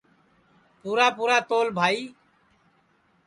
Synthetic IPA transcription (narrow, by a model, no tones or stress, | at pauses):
puːɾaːpuːɾaːt̪oːlbʱaːiː